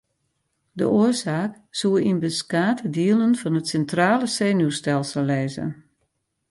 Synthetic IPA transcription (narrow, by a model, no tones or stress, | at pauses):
də̰ʔoərsaːk | suəinbəskaːtʰədiəlˠənfɔnətsɛntraːləseːnustɛlˠsəlˠːɛːzə̰n